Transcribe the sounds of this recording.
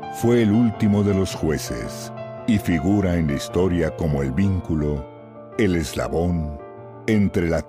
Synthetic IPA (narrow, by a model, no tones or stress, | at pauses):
fwe̞ːlult̪imo̞ðe̞lo̞sxwe̞sḛsifiɣuɾaenlaist̪o̞ɾjako̞mo̞e̞lβiŋkulo | ele̞zla̰βo̞n | ent̪ɾe̞la